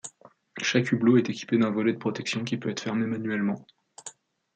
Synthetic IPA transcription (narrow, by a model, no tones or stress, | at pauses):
ʃakybloɛt̪ekʲi̥ped̪ɛ̃vɔlɛd̪əpχɔt̪ɛksjɔ̃kʲipøɛt̪χfɛʁmemanɥɛlmɑ̃